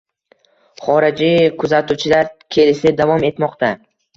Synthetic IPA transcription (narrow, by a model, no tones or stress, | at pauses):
χɒɾɪd͡ʒikʰʊzat̪ut͡ʃʰɪlaɾkʲʰe̞lɪsɪd̪avɒme̞t̪mɒqt̪a